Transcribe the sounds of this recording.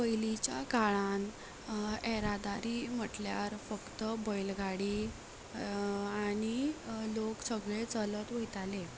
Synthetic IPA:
pəjlit͡ɕja̰kaɭan | ɛɾad̪aɾiːm̤əʈljaɾfəkt̪əbəjlɡʱaɽi | aɽ̃iloksəɡɭet͡sələt̪ʋəjt̪ale

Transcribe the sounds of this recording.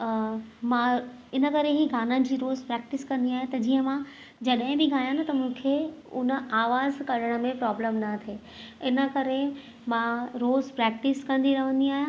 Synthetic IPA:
mãɪnə̆kɐɾeɦiɡʱaːnənd͡ʑiːɾoːzpɾɛːk̚ʈɪskɐ̃nd̪iaːɦẽt̪ɐd͡ʑiːɦə̃mã | d͡ʑɐɗɦɪ̃bɪɡʱaːjãnɐt̪ɐmũːkʰeʊnə̆aːʋaːzkɐɽəɽ̃ə̆mẽpɾɔːbləmnɐt̪ʰeː | ɪnə̆kɐɾe | mãɾoːzpɾɛːk̚ʈɪskɐ̃nd̪iɾɐʋ̤ə̃nd̪iaːɦjã

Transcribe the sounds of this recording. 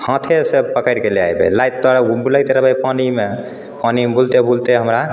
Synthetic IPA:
hə̃t̪ʰesepəkəjɾkelea̰jbḛlajt̪̚t̪əɾbuləjt̪eɾəbəjpanime | panibʱult̪ebʱult̪eɦəmɾa

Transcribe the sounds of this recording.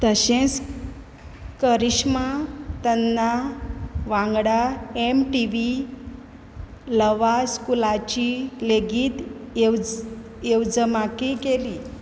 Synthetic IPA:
t̪əɕẽt͡s | kəɾiɕmat̪ənːa | ʋãŋɡɽaemʈiʋi | ləʋaskulat͡ɕileɡiːt̪ | ewd͡zəmakikeliː

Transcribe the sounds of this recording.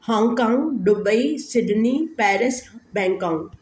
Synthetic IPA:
hãːŋɡkãːŋɡɗʊbəisɪɖʱnipɛːɾɪsbɛ̃ːŋkãːũ

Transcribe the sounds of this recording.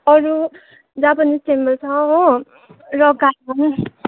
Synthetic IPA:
ʌɾu | d͡zabʌnissembʌlt͡sʰʌɦõ | rʌɡamʌn

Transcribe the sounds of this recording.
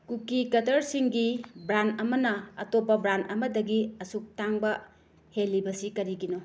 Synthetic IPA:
kukikɐtɐɾsiŋɡibɾantɐmɐnɐɐtopːɐbɾantɐmɐdɐɡiɐsuk̚taŋbɐ | helːibɐsikɐɾiɡino

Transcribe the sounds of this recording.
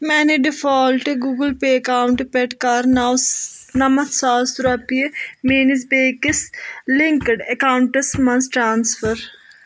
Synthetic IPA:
mɛːneɖɪfʰaːlʈɡuːɡəlpeːɐkaːwɳʈpeʈkaɾ | nɐmɐt̪ʰsaːsɾɐpiemeːnɪs̬beːkɪslɪŋkəɖɐkaːwʊɳʈəsmɐnsʈɾaːnsfʰəɾ

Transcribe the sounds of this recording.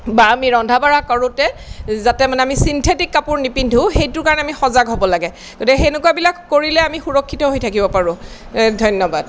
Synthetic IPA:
baamiɹɔndʱabaɹakaɹʊ̃tɛzatɛmanɛamisintʰetikːapʊɹnipindʱũxejtʊɹkaɹɔnɛamixɔzaɡɦobɔlaɡɛ | ɡ̥otikɦenʊkuabilakːoɹilɛamixuɹɔkʰːitɔɦojtʰakibɔpaɹʊ̃ | dʱɔjnːɔbad

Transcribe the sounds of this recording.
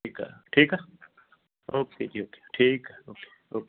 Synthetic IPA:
ika̰ʈʰiːka | oːkʰeːd͡ʒiːoːke̥ʈʰiːkoːke̥oːke

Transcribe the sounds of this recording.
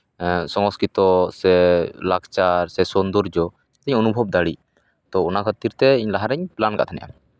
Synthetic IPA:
sɔŋɔskɾit̪ɔsɛlakt͡ʃaɾsɛsɔnd̪ɔɾd͡ʒɔ | ɛt̪ɛɲɔnubʱɔb̚d̪aɽi | t̪ɔɔnakʰət̪iɾt̪ɛiɲlaɦaɾɛɲplanka̰ʔt̪ʰanɛ̰jʔa̰

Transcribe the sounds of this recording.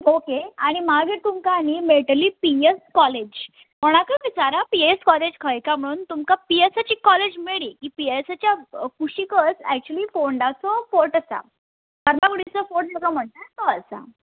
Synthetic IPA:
okeaɽ̃imaɡit̪umkanimeʈəliːpieskɔled͡ʑ | moɽ̃akəʋit͡saɾapieskɔled͡ʑkʰəjkam̤əɽ̃uːnt̪umkapiesat͡ɕiːkɔled͡ʑmeɭiːkiːpiesat͡ɕjakuɕikət͡sɛk̚t͡ɕuəliːfoɳɖat͡sɔfoʈəsa̰ | bəɾmakuɽit͡səfoʈd͡ʑəkam̤əɳt̪at̪ɔəsa̰

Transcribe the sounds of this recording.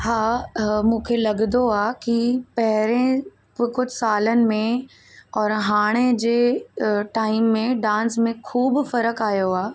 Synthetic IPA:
haːmũːkʰelɐɡnd̪oaːkipɐɦɪɾẽ | bɪkʊd͡ʑʱsaːlənɪ̆mẽ | ɔːɾɦaːɽ̃ed͡ʑeːʈaːɪmːẽɖãːnsmẽkʰuːbfɐɾəkaːijoaː

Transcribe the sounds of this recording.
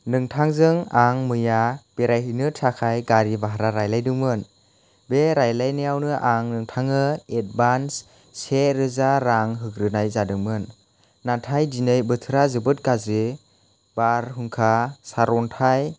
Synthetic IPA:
nɯŋtʰaŋzɯŋaŋmɯjab̥eɾajɦɯjnɯtʰakʰajɡaɾibaɦaɾaɾajlajdɯŋmɯn | beɾajlajnijawnɯʔaŋnɯŋtʰaŋɯet̚bans | seɾɯzaɾaŋɦɯkɾɯnajzadɯŋmɯnː | atʰajdinɯjbɯtʰɯɾazɯbɯt̚ɡazɯ | baɾɦɯŋkʰasaɾɔntʰaj

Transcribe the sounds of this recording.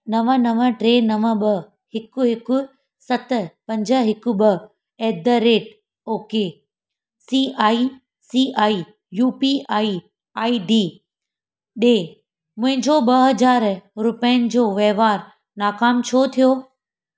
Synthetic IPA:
nɐʋənɐʋəʈɾeːnɐʋə̆ɓɐ | hɪkʊɦɪkʊ | sɐt̪̆pɐ̃ɲd͡ʑə̆ɦɪkʊ̆ɓɐ | eːd̪əɾeːʈ | oːke | siaːi | siːʔaːi | juːpiʔaːi | aːiɖiː | ɗeː | mʊ̃ɦɪ̃ɲd͡ʑoɓɐɦɐd͡ʑaːɾɾʊpəənɪ̆d͡ʑoːʋeːʋaːɾ | naːkaːmt͡ɕʰot̪ʰijoː

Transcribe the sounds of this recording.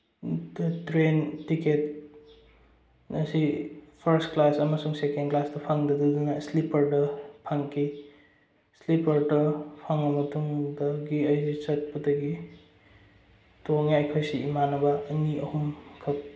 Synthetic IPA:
dtɾentiket | nɐsipʰɐɾsklasɐmɐsuŋsekendklasdɐpʰaŋdɐdudɐnɐslipɐɾdɐpʰaŋkʰi | slipɐɾdɐpʰaŋɐmɐtuŋdɐɡiɐjzit͡ʃɐt̚pɐdɐɡi | toŋjajkʰojsiːmanɐbɐːniɐhumkʰɐk̚

